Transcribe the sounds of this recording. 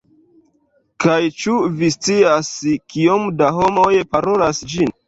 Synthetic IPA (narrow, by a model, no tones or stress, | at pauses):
kajt͡ʃuvist͡siaskiomdaɦo̞mojpaɾo̞lasd͡ʒin